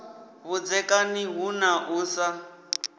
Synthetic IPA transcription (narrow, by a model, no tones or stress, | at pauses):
βud͡zɛkʼaniɦunaʔuːsa